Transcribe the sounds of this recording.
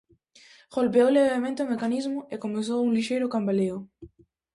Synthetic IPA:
ʁ̥olpeoleɣɾemẽnt̪eomekanizmoekomes̬owunliʃejɾokambaleo

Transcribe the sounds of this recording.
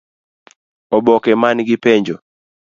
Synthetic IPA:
ɔbɔkɛmanɡɪpɛɲd͡ʒɔ

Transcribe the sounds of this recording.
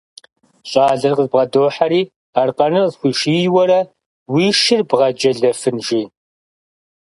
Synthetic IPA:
ɕʼɑːɮɐrqəzbʁɐdoːħaɾiː | arqɐnɨzxʷiːʃiːjwɐɾɐ | wiːʃɪrbʁɐd͡ʒɐɮɐfɨnʒiː

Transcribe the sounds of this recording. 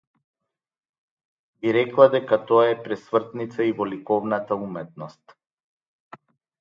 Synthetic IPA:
biɾɛklˠad̪ɛkat̪ɔaɛpɾɛsvr̩t̪nit̪saivɔlikɔvnat̪aumɛt̪̚nɔst̪

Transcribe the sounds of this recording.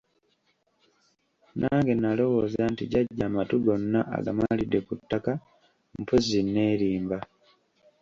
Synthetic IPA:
naːŋɡe̞nalo̞wo̞zantiɟaɟːaːmatuɡonːaʔa̰ɡa̰malide̞kutːaka | m̩pozinːe̞ːɾiːmba

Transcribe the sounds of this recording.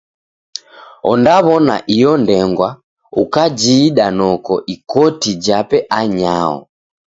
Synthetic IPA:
ɔ̰ndaβɔna̰ʔijɔndɛŋɡwa | ukad͡ʒiːɗanɔkɔʔikɔtid͡ʒapɛʔaɲaɔ̰

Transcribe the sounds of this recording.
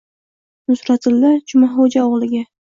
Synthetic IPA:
nʊsɾat̪ʰɪlːat͡ʃʰʊmaɦod͡ʒaoʁlˠɪɡʲa

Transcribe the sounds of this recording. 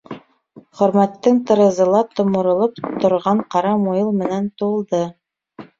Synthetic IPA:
χɵ̆ɾmæt̪ːɘŋt̪ɤ̆ɾɤ̆zɤ̆lˠɑt̪ŏmŏɾɤ̆lˠɤp̚t̪ŏɾʁɑɴqɑɾɑmujɤlˠmɘ̆nænt̪ŭlˠd̪ɤ

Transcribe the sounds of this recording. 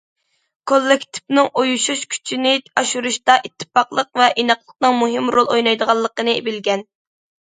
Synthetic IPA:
kʰolˠːɪkʲt̪ʰɪ̥p̚nɨŋʔojuʃuʃkʲʰy̥t͡ʃʰinɪɑʃuɾuʃt̪ɑʔit̪ʰːɨ̥pɑqlˠəq̚vɛʔinɑqlˠəq̚nɨŋmuɦɪmɾolˠojnɑjd̪əʁɑlˠːəqənɨbɪlɡʲɛn

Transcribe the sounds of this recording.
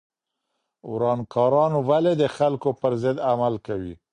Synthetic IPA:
wɾɑnkɑɾɑnowaled̪əxalkopəɾzɪd̪amalkawḭ

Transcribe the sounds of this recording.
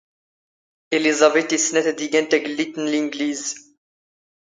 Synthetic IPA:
elizabet̪isnɛt̪d̪iɡɛnt̪ɛɡlit̪nliŋɡliz

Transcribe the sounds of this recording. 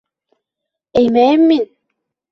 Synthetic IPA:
ejmɛmːin

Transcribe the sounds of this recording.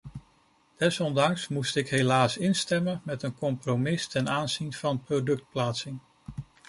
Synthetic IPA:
d̥ɛsɔndɑŋsmustɪkɦejlaːsɪnstɛmənmɛtənkɔmpromɪstɛnaːnzinv̥ɑnprodɵk̚t̚plaːtsɪŋ

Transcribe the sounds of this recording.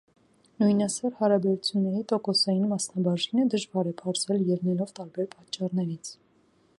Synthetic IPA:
nujnɑsɔɾhɑɾɑbɛɾut͡sʰjunːɛɾit̪ɔkɔsɑjinmɑsnɑbɑʒinəd̪əʒvɑɾɛpʰɑɾzɛljɛɾnɛlɔvt̪ɑɾbɛɾpɑt͡ʃːɑrnɛɾit͡sʰ

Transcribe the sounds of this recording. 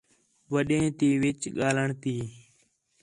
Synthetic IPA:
ʋəɗẽːt̪iːʋɪt͡ʃɠaːləɳt̪iː

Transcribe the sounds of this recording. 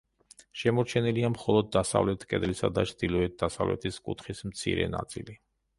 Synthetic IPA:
ʃɛmɔɾt͡ʃʰɛniliamχɔlˠɔd̪̚ːasa̰vlɛt̪ʰkʼɛd̪lisad̪at͡ʃʰd̪̥ilˠɔɛt̪̚d̪asavlɛ̰t̪ʰiskʼut̪ʰχismt̪sʰḭɾɛ̰na̰t̪sʼḭli

